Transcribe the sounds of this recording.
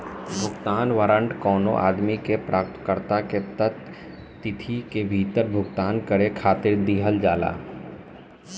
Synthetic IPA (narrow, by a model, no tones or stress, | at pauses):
bʱʊɡt̪aːnʋaːɾə̃ɳʈkɔːno̰ʔa̰ːd̪mikepɾʔaːp̚t̪kəɾt̪aket̪ət̪ː | ɪt̪ʰikebʱiːt̪əɾbʱʊɡt̪aːnkəɽekʰaːt̪ɪɾd̪iːɦəld͡ʒaːla̰ː